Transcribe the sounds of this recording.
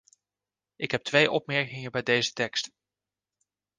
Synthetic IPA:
ɪkɦɛp̚tʋejʔɔp̚mɛɹkɪŋəbɛjdejzə̥tɛkst

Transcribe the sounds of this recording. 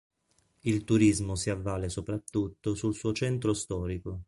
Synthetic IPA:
ilt̪uɾizmosiavːaːlesopɾat̪ːut̪ːosulsuːot͡ʃɛnt̪ɾost̪ɔːɾiko

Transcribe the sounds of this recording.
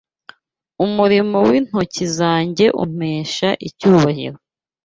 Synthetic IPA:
umuɾimo̞win̥hocizaːɲɟe̞ʔṵm̥eːʃaʔicuːβahḭɾo̞

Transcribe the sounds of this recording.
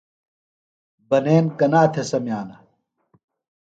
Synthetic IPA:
bɐneːnkɐnaːt̪ʰesɐmjaːnɐ

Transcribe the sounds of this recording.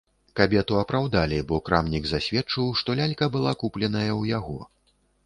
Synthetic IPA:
kabʲɛt̪uɐpɾawd̪alʲibɔkɾamnʲiɡzasʲvʲɛt͡ʂɨwʂt̪ɔlʲalʲkɐbɨlˠakuplʲɛn̪ɐjɐwjaɣɔ

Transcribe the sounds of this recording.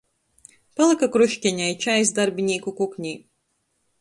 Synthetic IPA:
palˠɨkakɾuʃʲkʲenʲajt͡ʃajsd̪aɾbʲinʲiːkukuknʲij

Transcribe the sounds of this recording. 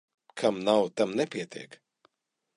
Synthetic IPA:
kʰamnawt̪amnɛpʲiɛt̪ḭɛk

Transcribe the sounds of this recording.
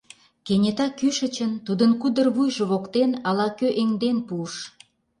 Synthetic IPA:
kenʲet̪ɑkyʃə̆t͡ɕənt̪ud̪ənkud̪ərβujʒəβokt̪enɑlɑkøʔeŋd̪enpuəʃ

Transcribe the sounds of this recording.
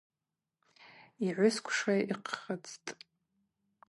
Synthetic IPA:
iʕʷʊskʷʰʂaiqʰχət͡sʰʼtʼ

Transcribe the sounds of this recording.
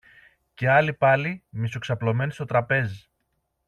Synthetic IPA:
ce̞ɐlipɐlimisoksɐplo̞me̞nist̪o̞t̪ɾɐpe̞zi

